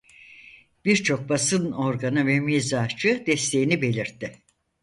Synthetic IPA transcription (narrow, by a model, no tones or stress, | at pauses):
b̥iɾt͡ʃʰo̞k̚basɯno̞ɾɡanɯvɛmizat͡ʃʰɯd̪ɛst̪ʰe̞jinibe̞lʲiɾt̪ʰːɪ